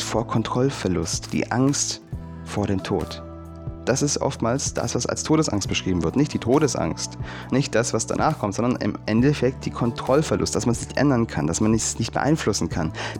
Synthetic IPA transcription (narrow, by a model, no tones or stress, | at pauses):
foːɐkʰɔntʁ̥ɔlfɛɐlʊstd̥ḭːʔaŋst | foːɐɾeːmtʰo̰ːt | d̥asɪstʔɔ̰ftmaːlsd̥a̰sv̥asa̰lstʰoːɾəsʔa̰ŋst̚b̥əʃʁ̥iːbm̩vɪɐtnɪçtd̥iːtʰoːɾəsʔa̰ŋst | nɪçt̚d̥asv̥asd̥a̰nʔaːχkʰɔmtzɔndɐnɪ̰mʔɛndɛfɛk̚t̚d̥iːkʰɔntʁ̥ɔlfɛɐlʊ̰st̚d̥asmansnɪçtʔɛ̰ndɐnkʰand̥asmanːɪsnɪçtb̥ə̰ʔa̰ɪnflʊsn̩kʰan